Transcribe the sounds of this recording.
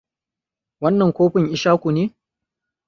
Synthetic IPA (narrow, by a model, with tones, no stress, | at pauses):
wɐ˦nːɐ˨ŋkʷoː˦ɸɪ˨ŋʔɪ˦ʃaː˦kʷu˨neː˦